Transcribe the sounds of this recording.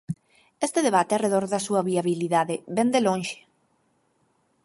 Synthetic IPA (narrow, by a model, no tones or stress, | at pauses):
est̪eðeβ̞at̪eareðoɾðasuɐβiaβiliðaðeβɛnd̪elõnʃe̥